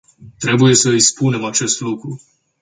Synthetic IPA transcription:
t̪ɾe̞buje̞səispune̞mat͡ʃe̞st̪lukɾu

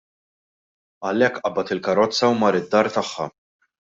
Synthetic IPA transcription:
ɐlɛkːʔɐbɐt̪ɪlkɐɾɔt͡sːɐwmɐːɾɪd̪ːɐːɾt̪ɐħːɐ̰

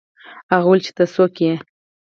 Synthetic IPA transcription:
aɣult͡ʃi̥t̪asoke

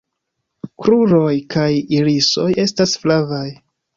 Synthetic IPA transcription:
kɾuɾo̞jkajiɾiso̞je̞stasflavaj

